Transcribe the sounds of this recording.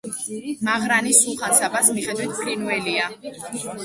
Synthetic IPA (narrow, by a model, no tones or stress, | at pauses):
maʁɾanisulˠχansabasmiχɛd̪wit̪̚ʰpʰɾinuɛlia